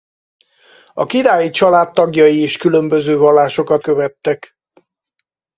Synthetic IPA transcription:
ɒ̰kid̪aːjit͡ʃɒlaːt̪ːɒɡjɒjieːʃkylø̞mbø̞zøːvɒlːaːʃo̞kɒt̪̚køvɛt̪ːɛk

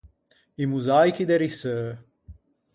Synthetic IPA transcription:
imuzajkid̪eɾisə

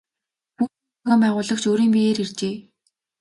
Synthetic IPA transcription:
pu | ɣaːmpæːʁʊːɮə̆kt͡ɕoːɾiːmmiɣeːɾirt͡ɕeː

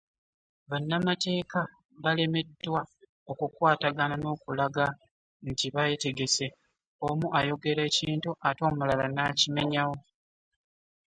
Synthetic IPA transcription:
βanːamate̞ːka | βale̞me̞dːwa | o̞kukwaːtaɡanano̞ːkulaɡa | ntiβajete̞ɡe̞se | omuʔajo̞ɡe̞ɾe̞ːciːntuʔato̞ːmulalanaːcime̞ɲawo

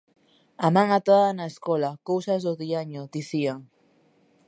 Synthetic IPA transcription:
amãŋat̪oðanaeskolakowsazðoðiaɲod̪iθiaŋ

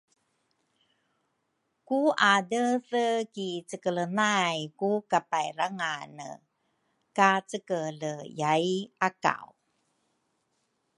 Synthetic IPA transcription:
kuadəsəkit͡səkələnajkukapajraŋanə̰ | kat͡səkələjajʔaka̰w

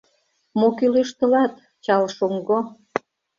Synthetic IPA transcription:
mokyleʃt̪ə̆lɑt̪ | t͡ɕɑlʃoŋɡo

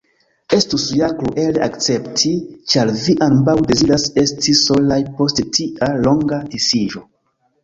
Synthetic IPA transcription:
e̞stusujakɾuʔe̞leʔakt͡se̞ptʰit͡ʃaɾviʔambawde̞ziɾase̞stiso̞lajpo̞sttʰiʔalo̞ŋɡadisiʒo̞

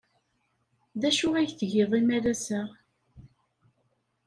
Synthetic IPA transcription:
ðæʃʊʁæjθəʝɪðˤimæɾæsə

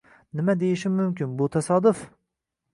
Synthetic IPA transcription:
nɪmɛd̪ejiʃɪːʊmkʲɪnbut̪ʰɛsɑːd̪ʊf

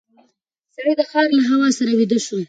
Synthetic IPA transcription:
saɽid̪əxɑɾlaɦawɑsaɾawid̪əʃu

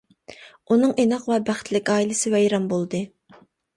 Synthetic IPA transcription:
unɨŋenɑqwɛbæχt̪ʰlɪkʲɑːilˠɪsɪwɛjɾɑmbolˠd̪ɨ

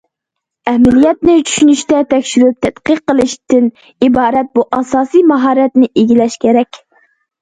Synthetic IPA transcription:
ɛhmɪlijɛt̪nɪt͡ʃʰy̥ʃynyʃt̪ɛt̪ʰɛkʲʃyɾyp̚t̪ʰɛt̪qəqːəlˠɨʃt̪ɪn | ibɑːɾɛt̪̚buʔɑsɑːsijmɑɦɑːɾɛt̪nɪʔeɡʲilɛʃkʲʰeɾɛkʲ

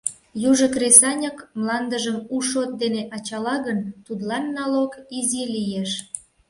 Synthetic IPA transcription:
juʒəkresɑnʲəkmlɑnd̪əʒəmuʃot̪̚d̪eneʔɑt͡ɕɑlɑɣənt̪ud̪lɑnːɑlokizilijeʃ

